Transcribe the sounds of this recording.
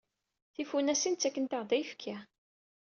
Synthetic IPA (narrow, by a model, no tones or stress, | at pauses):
θifunæsint͡sːækːənt̪əʁðˤæjfkʰi